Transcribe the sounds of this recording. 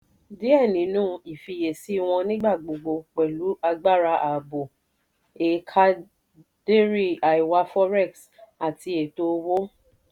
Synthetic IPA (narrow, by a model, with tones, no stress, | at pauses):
di˦ɛ˦˨nĩ˨˦nũː˦˧i˨fi˧je˨si˦w̃ɔ̃˧nĩ˦ɡ͡ba˦˨ɡ͡bo˨ɡ͡bo˧k͡pɛ˨lu˨˦a˧ɡ͡ba˦˨ɾa˧ʔa˨bo˨ | e˨˦kʰa˦ | d̥e˦ɾi˦˨a˨i˨wa˧fɔ˦ɾɛ˦˨ks | a˨ti˧e˨to˧wo˦